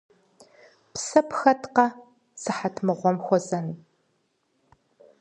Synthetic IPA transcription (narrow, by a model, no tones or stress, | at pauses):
psɐpxɐtqɐ | sɨħatʰmɨʁʷɔmxʷɔzɐn